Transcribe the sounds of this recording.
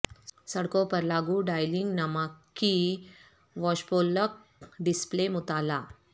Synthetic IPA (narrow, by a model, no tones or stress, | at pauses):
səɽkopəɾlaɡuːɖajliŋɡnamakːi | ʋɔɕpolək̚ɖisplemut̪ala